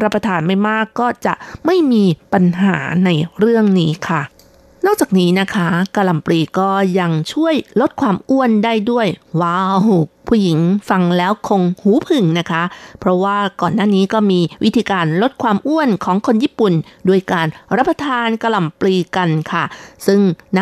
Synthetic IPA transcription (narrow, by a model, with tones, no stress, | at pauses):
ɾa˦˥pːɾa˧t̪ʰaː˧nma˥˩jmaː˥˩kːɔː˥˩t͡ɕa̰˨˩ʔma˥˩jmiː˧pa˧nɦa̰ː˩˦na˧jɾɯ˥˩əŋniː˦˥kʰa˥˩ | nɔː˥˩k̚t͡ɕaː˨˩k̚niː˦˥na˦˥kʰa˦˥kaː˧la˨˩mpliː˧kɔː˥˩ja˧ŋt͡ɕʰu˥˩əjlo˦˥t̪̚kʰwaː˧mʔu˥˩əndaː˥˩jdu˥˩əjwaː˦˥˩wpʰuː˥˩ji˩˦ŋfa˧ŋlɛː˦˥wkʰo˧ŋhuː˩˦pʰɯ˨˩ŋna˦˥kʰa˦˥pʰɾɔ˦˥waː˥˩kɔː˨˩nːaː˥˩niː˦˥kɔː˥˩miː˧wi˦˥t̪ʰiː˧kaː˧nlo˦˥t̪̚kʰwaː˧mʔu˥˩ənkʰɔː˩˦ŋkʰo˧njiː˥˩pu˨˩ndu˥˩əjkaː˧nɾa˦˥p̚ːɾa˧t̪ʰaː˧nka˧la˨˩mpliː˧ka˧nkʰa˥˩sɯ˥˩ŋna˦˥